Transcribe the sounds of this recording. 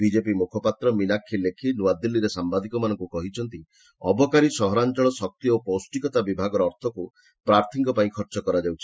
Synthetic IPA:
bid͡ʒepimukʰɔpat̪ɾɔmilakʰːilekʰinuad̪ilːiɾesambad̪ʱikɔmanɔŋkukɔɦit͡ʃʰɔnt̪i | ɔ̰bɔkaɾisɔɦɔɾant͡ʃɔɭɔsɔk̚t̪ioposʈikɔt̪abibʱaɡɔɾɔːɾt̪ʰɔku | pɾaɾt̪ʰiŋkɔpaĩkʰɔɾt͡ʃɔkɔɾad͡ʒawt͡ʃʰi̥

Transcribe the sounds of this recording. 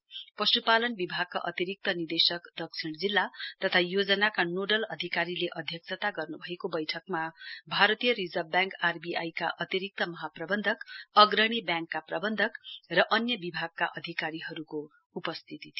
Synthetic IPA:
pʌsupalʌnbibʱaɡ̚ka̰ʔʌt̪iɾik̚t̪ʌnird̪esʌkd̪ʌk̚sʰiɽd͡zilːat̪ʌt̪ʰajod͡zʌnakanoɖʌlʌd̪ʱikaɾileʔʌd̪ʱjʌksʰʌt̪aɡʌrnubʱʌekobʌjʈʰʌkmabʱaɾʌt̪ijʌrid͡zʌbbjãŋkarbiʔajka̰ʔʌt̪iɾik̚t̪ʌmʌɦaprʌbʌnd̪ʱʌkʌɡrʌɽ̃ibjãŋkːaprʌbʌnd̪ʱʌkrʌʔʌnjʌbibʱaɡ̚kaʔʌd̪ʱikaɾiɦʌɾuko | upʌst̪ʰit̪it̪ʰ

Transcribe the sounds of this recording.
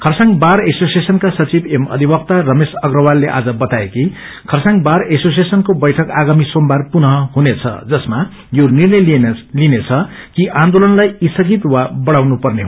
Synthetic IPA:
kʰʌrsaŋbaɾesosiesʌnkasʌt͡sibemʌ̰d̪ʱibʌkt̪arʌmesʌɡrʌwalːeʔa̰d͡zʌbʌt̪aeki | kʰʌrsãŋbaɾesos̬iesʌnkobʌjʈʰʌkaɡamisombarpunɦʌɦunet͡sʰʌ̰d͡zʌsma | jonirnʌjlinet͡sʰʌ | kiʔãnd̪olʌnlajisʌɡit̪wabʌɽawnupʌrneɦ

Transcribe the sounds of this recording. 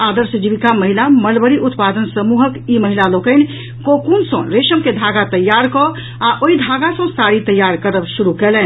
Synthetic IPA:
ad̪əɾsəd͡ʒibikaməɦilaməlbəɾiʔut̪pad̪ənsəmuɦəkiməɦilalokən | kokunsə̃ɾeʃəmked̪ʱaɡat̪əjːaɾkɔ | aʔoid̪ʱaɡasə̃saɾit̪əjːaɾkəɾəbsuɾukelɛn

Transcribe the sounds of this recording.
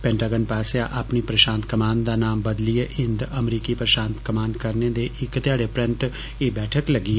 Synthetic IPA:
pɛ̃ɳʈaːɡənpaːsjaːʔapniːpɾəʃãːnt̪kəmaːnd̪aːnaːmbəd̪liːeʔɪ̃nd̪əmɾiːkiːpɾəʃaːnt̪kəmaːnkəɾneːd̪eːʔɪkːt̪ɪjaːɽeːpɾɛ̃nt̪ | eːbɛːʈʰəkləɡiː

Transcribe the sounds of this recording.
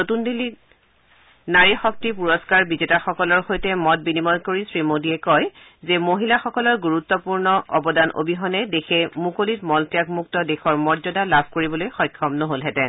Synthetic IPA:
notundili | naɹixɔk̚tipuɹɔskaɹbizetaxɔkɔlɔɹxojtɛmɔt̚binimɔjkoɹisɹimodiɛkɔj | zɛmoɦilaxɔkɔlɔɹɡuɹut̪ːɔpuɹnɔʔɔbɔdanʔo̰bʱiɦɔnɛdekʰɛmukolitmɔltijakmuk̚tɔdexɔɹmɔɹzɔdalabʱkoɹibɔlojxɔjkʰːɔmnɔɦolɦɛtɛ

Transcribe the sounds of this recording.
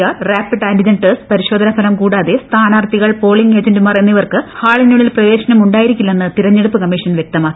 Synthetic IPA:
aːraːpːiɖaːndid͡ʑɐnʈɨspɐɾiɕo̞ːd̪ʱɐnɐpʰɐlɐmkuːɽaːðest̪ʰaːnaːrt̪iɣɐɭpo̞ːɭiŋɡe̞ːd͡ʑendumaːre̞nːiʋɐrkɨhaːɭɐɲːuɭilprɐʋeːɕɐnɐmuɳɖaːjiɾikʲːulːɐenːɨt̪iɾɐɲːeɽupːɨkɐmːiʂɐnʋjek̚t̪ɐmaː

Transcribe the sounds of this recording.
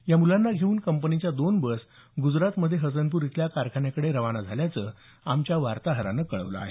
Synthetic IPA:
jamulanːaɡʱeuːnkəmpənit͡ɕjad̪onbəs | ɡud͡zɾat̪məd̪ʱːjeɦət͡sənp̬uːɾit̪ljakaɾkʰaɳjakəɽeɾəʋanad͡zʱaljat͡səː | amt͡ɕjaʋaɾt̪aɦəɾa̰nəːkəɭə̰ʋlə̰a̰ɦe

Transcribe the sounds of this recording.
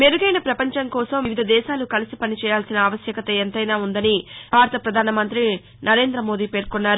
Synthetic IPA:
meɾuɡɐjnɐpɾɐpɐɲt͡ʃɐŋkɔːsɐmiʋid̪ʱɐd̪ɛːʃaːlukɐlisipɐnit͡ʃɛːjaːlsinɐɐːʋɐsjɐkɐt̪ɐent̪ɐjnaːund̪ɐnibʱaːɾɐt̪ɐpɾɐd̪ʱaːnɐmɐnt̪ɾi | nɐɾe̞ːnd̪ɾɐmo̞ːd̪iːpeːɾkonːaːɾu

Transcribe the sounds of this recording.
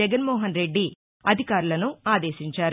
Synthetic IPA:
ɛɡɐnmɔːɦɐnɾe̞ɖːi | ɐd̪ʱikaːɾulɐnuaːd̪e̞ːʃiɲt͡ʃaːɾ

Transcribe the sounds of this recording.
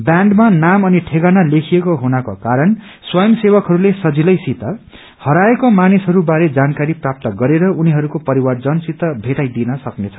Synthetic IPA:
bjãɳɖmanamʌniʈʰeɡanalekʰijekoɦunʌkokaɾʌn | swʌjʌmsewʌkɦʌɾulesʌd͡zilʌjsit̪ʌ | hʌɾaekomanisɦʌɾubaɾed͡zankaɾiprap̚t̪ʌɡʌɾeɾʌuniɦʌɾukopʌɾiward͡zʌnsit̪ʌbʱeʈajd̪inʌsʌknet͡sʰʌ̥

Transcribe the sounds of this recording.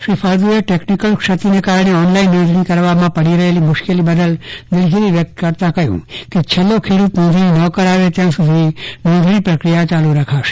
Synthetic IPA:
ʃɾipʰaɾd̪ueʈeknikəlkʃət̪inekaɾɽ̃eɔnlainːɔ̃nd̪ʱɾikəɾʋamãpəɽiɾəɦelimʊʃkelibəd̪əld̪ɪlɡiliʋjək̚t̪kəɾt̪ãkəjṵ̃ket͡ʃʰelːokʰeɽut̪nə̃nd̪ʱninəkəɾaʋet̪jãsud̪ʱinɔ̃nd̪ʱnĩpɾəkɾijat͡ʃaluɾakʰaʃ

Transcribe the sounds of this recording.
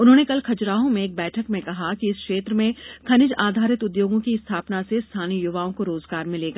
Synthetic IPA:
ʊnɦõːnekɐlkʰɐd͡ʒɾaːõmẽːk̚bɛːʈʰəkmẽkɐɦakiɪskʃeːt̪ɾəmẽkʰɐnɪd͡ʒaːd̪ʱaːɾɪt̪ʊd̪joːɡõkist̪ʰaːpnasest̪ʰaːnijʊʋaːõkoɾoːzɡaːɾmɪleːɡaː

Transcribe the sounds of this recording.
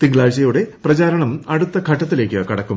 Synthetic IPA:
t̪iŋɡɭaːɭɕɐjuɽe̞prɐt͡ɕaːɾɐɳɐmɐɽut̪ːɐkʰɐʈːɐt̪ːile̞ːkːɨkɐɽɐkːum

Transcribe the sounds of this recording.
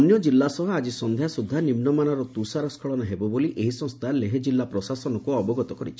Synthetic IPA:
njɔd͡ʒilːasɔɦɔad͡ʒisɔnd̪ʱjasud̪ʱːanimnɔmanɔɾɔt̪usaɾɔskʰɔɭɔnaɦebɔboliʔeɦisɔ̃ŋst̪ʰaleɦed͡ʒilːapɾɔsasɔnɔkuɔbɔɡɔt̪ɔkɔɾḭt͡ʃʰi̥

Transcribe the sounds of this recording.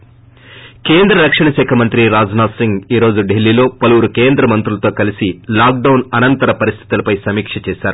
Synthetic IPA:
keːnd̪ɾɐɾɐkʂɐɳɐʃɛːkʰɐmɐnt̪ɾiɾaːd͡ʒnaːsiŋɡiːɾo̞ːd͡ʒuɖelːilo̞ːpɐluwuɾukeːnd̪ɾɐmɐnt̪ɾulɐt̪o̞ːkɐlisilaːk̚ɖɐwnɐnɐnt̪ɐɾɐpɐɾist̪ʰi̥t̪ulɐpɐjsɐmiːkʂɐt͡ʃɛːsaːɾu

